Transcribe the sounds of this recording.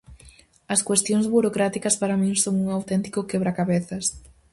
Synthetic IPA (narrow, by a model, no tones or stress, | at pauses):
ɐskwest̪joŋzβuɾokɾat̪ikɐspaɾamĩŋsoŋuŋawt̪ɛnt̪i̥kʊkɛβɾakaβeθɐs